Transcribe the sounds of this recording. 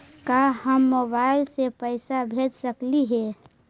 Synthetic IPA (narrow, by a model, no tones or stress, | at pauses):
kaɦəmːobaɪlsepəɪsabʱed͡ʒsəkliɦɛ